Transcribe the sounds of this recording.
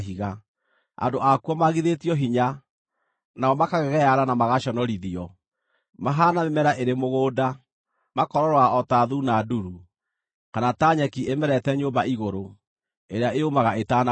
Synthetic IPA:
ɦiɣa | a̰ndoʔakwɔmaɣiðetiɔɦiɲa | naɔmakaɣɛɣɛjaɾanamaɣaʃɔnɔɾiðiɔ | maɦaːnamemɛɾaʔeɾemoɣoːda | makɔɾɔɾwaɔtaðunaduɾu | kanataɲɛkiemɛɾɛtɛɲoːmbaiɣoɾo | eɾeaʔeomaɣaetana

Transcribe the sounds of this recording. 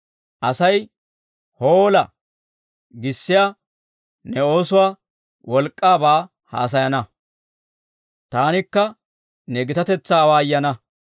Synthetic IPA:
ʔɐsɐj | hoːlɐ | ɡɪsːɪja | nɛo̞ːsʊwaː | wɔlkʼːaːbaː | ha̰ːs̬ɐjɐnɐ | t̪aːnɪkːɐ | nɛɡɪt̪ɐt̪ɛt͡sːaːwaːjːɐnɐ

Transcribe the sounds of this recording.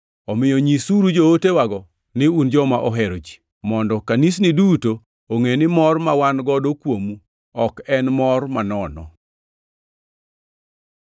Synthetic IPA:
ɔmɪjɔɲisuɾud͡ʒootewaɡɔ | nɪund͡ʒɔmaʔɔɦɛɾod͡ʒi̥ | mɔndɔkanisniduto | oŋenɪmɔrmawanɡɔdokwomu | ɔkɛnmɔrmanɔnɔ̰

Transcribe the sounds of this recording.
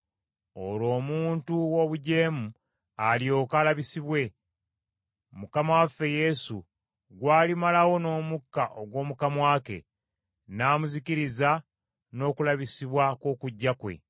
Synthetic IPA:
o̞̰lo̞ːmuːntuwo̞βuɟe̞ːmu | alijo̞ːkalaβisiβwe̞ | mukamawafːe̞je̞sṵ | ɡwaːlimalawo̞no̞ːmukːaʔo̞ɡwo̞ːmukamwaːke̞̰ | naːmuziciɾiza | no̞ːkulaβisiβwakoːkuɟːakwe̞̰

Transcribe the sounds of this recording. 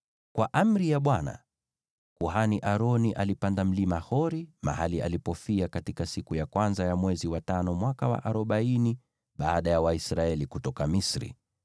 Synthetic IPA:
kwʔaʔam̩ɾijaɓwana̰ | kuɦaniʔaɾɔniʔalipandam̩limahɔɾima̰halia̰lipɔfiakatikasikujakwanzajamwɛziwatanɔmwakawa̰ʔaɾɔɓaini | ɓaːɗajawaisɾaɛlikutɔkamisɾḭ

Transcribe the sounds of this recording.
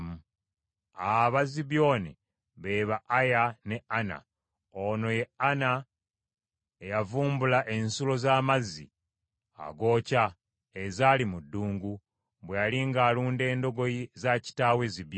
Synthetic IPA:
mu | aβaziβjo̞ːne | βe̞βaʔːjane̞ana̰ | ono̞je̞ana | ejavuːmbulaʔe̞nsulo̞zaːmazḭ | a̰ɡo̞ːca | ezaːlimudːuːŋɡu | βwejaliŋɡaːluːnde̞ːndo̞ɡo̞jizaci̥taːwe̞ziβjo

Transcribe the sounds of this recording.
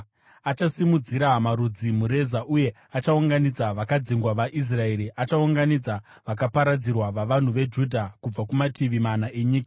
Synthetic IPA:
at͡ʃasimud͡ziɾamaɾud͡zimuɾe̞zaʔuje̞ | at͡ʃauŋɡanid͡zaʋakad͡ziŋɡwaʋaʔis̬rae̞ɾiʔat͡ʃauŋɡanid͡za | ʋak̬apaɾad͡zirwaʋaʋan̤uʋe̞d͡ʒudʱakub͡vakumatʰiʋimanaʔe̞ɲiːkḁ

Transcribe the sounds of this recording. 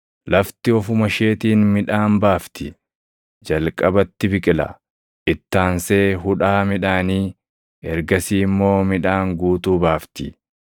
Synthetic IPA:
lɐft̪ɪɔfʊmɐʃe̞ːt̪iːnmɪᶑaːnbaːft̪ɪ | d͡ʒɐlkʼɐbɐt̪ːɪbɪkʼɪlɐ̰ | ʔɪt̪ːaːnseːɦʊᶑaːmɪᶑaːniː | ɛɾɡɐsiːmːo̞ːmɪᶑaːŋɡuːt̪uːbaːft̪ɪ

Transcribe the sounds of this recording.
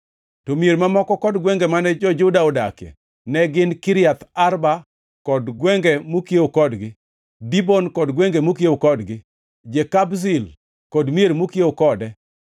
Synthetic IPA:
tomieɾmamɔkɔkɔdɡwɛŋɡɛmanɛd͡ʒɔd͡ʒʊdaɔdakjɛ̰ | nɛɡɪnkɪɾjat̪arba | kɔdɡwɛŋɡɛmokeokɔdɡɪ | dibɔnkɔdɡwɛŋɡemokjeokɔdɡɪ | d͡ʒekabs̬ɪl | kɔdmjeɾmokjeokɔdɛ

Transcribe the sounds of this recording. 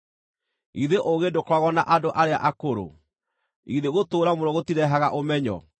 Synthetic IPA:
iðeʔoɣedokwaɣɔnaʔadoʔaɾea̰ʔakoɾo̰ | iðeɣotoːɾamoɾɔɣotiɾɛɦaɣaʔomɛɲɔ̰

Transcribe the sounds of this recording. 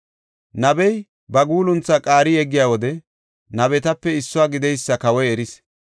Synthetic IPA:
nɐbɛj | bɐɡuːlʊnt͡sːakʼaːɾɪjɛɡːɪjaːwɔd̪ɛ | nɐbɛt̪ɐpːɛɪsːʊwaːɡɪd̪ɛjsːɐkɐwɔjɛɾɪs

